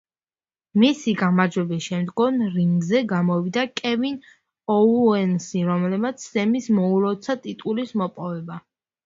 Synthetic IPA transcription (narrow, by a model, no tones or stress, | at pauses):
misiɡamaɾd͡ʒwɛbisʃɛmd̪ɡɔnɾiŋɡzɛɡamɔvid̪akʼɛvin | ɔɛnsiɾɔmlɛbmat̪sʰzɛmismɔuɾɔt̪sʰat̪ʼit̪ʼulismɔpʼɔvɛba